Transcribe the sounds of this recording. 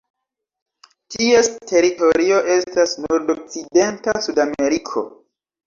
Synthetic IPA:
tie̞stʰe̞ɾito̞ɾio̞ʔe̞stasnoɾdok̚t͡side̞ntasudame̞ɾikʰo̞̰

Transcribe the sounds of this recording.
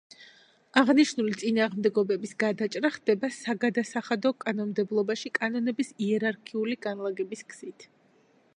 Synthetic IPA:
aʁniʃnulit̪sʼinaːʁmd̪ɛɡɔbɛbisɡ̥ad̪at͡ʃʼɾaχd̪ɛbasaɡad̪asaχad̪ɔkʼanɔnmd̪ɛblˠɔbaʃikʼanɔnɛbisiɛɾaɾkʰiuliɡ̥anlˠaɡɛbiskʰz̥it̪ʰ

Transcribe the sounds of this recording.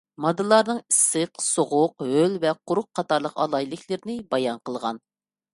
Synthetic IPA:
mɑd̪ɨlˠɑɾnɨŋisːɨqsoʁʊqhølvɛqʰʊɾʊq̚qʰːɑt̪ɑɾlˠəqɑ̰lˠɑjlˠɨkʲʰlɪɾɪnɪbɑjɑnqəlˠʁɑn

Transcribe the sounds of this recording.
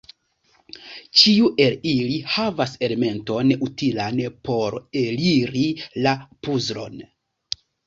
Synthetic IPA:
t͡ʃiuʔe̞lilihavase̞leme̞nto̞nutilanpo̞ɾeliɾilapuzɾo̞̰n

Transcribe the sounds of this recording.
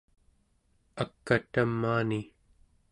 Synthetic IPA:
akːat̪amːaːni

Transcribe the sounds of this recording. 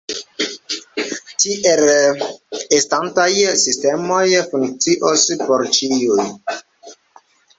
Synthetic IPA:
tiʔel | estantajsistemojfuŋk̚t͡siʔospoɾt͡ʃiuj

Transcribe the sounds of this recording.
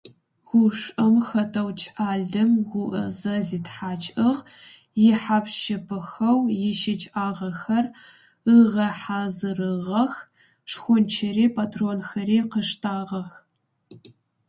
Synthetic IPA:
ʁʷʊʂʷʼɐmxɐtʰɐwt͡ʃʰʼʔaːɮɨmʁʷʊʔɐ̰zɐziːtħaːt͡ʃʼɨʁ | jɪħapʃɐpʰɨxɐwjɪʃɪt͡ʃʼʔaːʁɐxɐr | ɨʁɐħaːzɨrɨʁɐx | ʂxʷʊnt͡ʃʰɐɾiːpʰatʰroːnxɐɾiːqəʂtʰaːʁɐx

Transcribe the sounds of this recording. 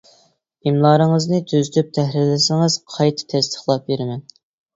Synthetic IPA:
imlˠɑːɾɨŋəznɨt̪ʰøzyt̪ʰyp̚t̪ʰɛɦɾɪlɪsɪŋɨz̥qʰɑjt̪ʰɨ̥t̪ʰɛst̪ʰə̥χlˠɑp̚beɾɪmɛn

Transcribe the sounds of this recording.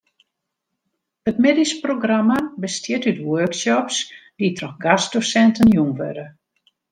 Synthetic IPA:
ətmedisproɡramabəstjɪtytwørksɔpsditrɔxɡasdosɛntənjumʋø̰də

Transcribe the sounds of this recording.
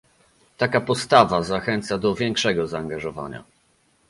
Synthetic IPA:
t̪akapɔst̪avazaxɛnt̪sad̪ɔvʲjɛŋkʂɛɡɔzaːŋɡaʐɔva̰ɲa̰

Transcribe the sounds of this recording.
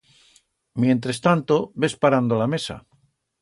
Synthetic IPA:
mjẽ̞nt̪ɾest̪ant̪obe̞spaɾand̪olamesa̰

